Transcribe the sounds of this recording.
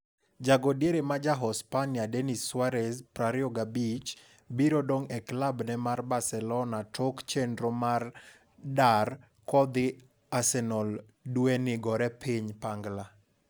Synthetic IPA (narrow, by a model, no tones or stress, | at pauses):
d͡ʒaɡɔdjeɾemad͡ʒaɦɔspanjadɛniswaɾɛspɾaɾjɔɡabit͡ʃ | biɾodoŋɛklabnɛmarbasɛlɔnatʰokt͡ʃendɾomar | dar | kɔd̪ɪ | asɛnɔl | duwenɪɡɔɾɛpɪɲpaŋɡla